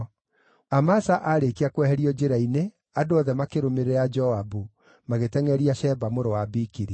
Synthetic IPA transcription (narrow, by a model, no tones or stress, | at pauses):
amasaʔaɾekeakwɛhɛɾiɔd͡ʒeɾaine | adoɔðɛmakeɾomeɾead͡ʒɔabu | maɣetɛŋɛɾiaʃɛbamoɾowabikiɾi